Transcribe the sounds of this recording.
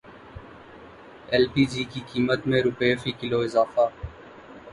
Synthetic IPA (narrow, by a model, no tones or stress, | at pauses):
ɛːlpiːd͡ʒiːkiːkiːmət̪mẽːɾʊpefiːkɪloːɪzaːfaː